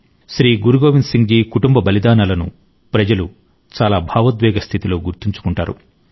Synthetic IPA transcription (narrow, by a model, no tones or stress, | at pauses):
ʃɾiːɡuɾuɡoːʋinsiŋɡiːkuʈumbɐbɐlid̪aːnaːlɐnṵ | pɾɐd͡ʒɐlu | t͡ʃaːlaːbʱaːʋɐt̪ʋɛːɡɐst̪ʰit̪ilo̞ːɡuɾt̪iɲt͡ʃu̥kuɳʈa̰ːɾṵ